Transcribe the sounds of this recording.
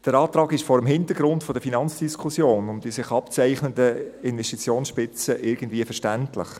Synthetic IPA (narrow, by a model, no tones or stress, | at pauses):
d̥əɾɑːtɾɑːɡɪʃfɔɾəmɦɪntəɾɡɾʊntfɔd̥əfinɑnt͡sd̥iskʰusjoːnʊmd̥isɪχɑpt͡sæɪχnəndəɪnvɛstit͡sjoːnsʃpɪt͡səʔɪɾɡən̩dviːəfəʃtæntlɪ̰χ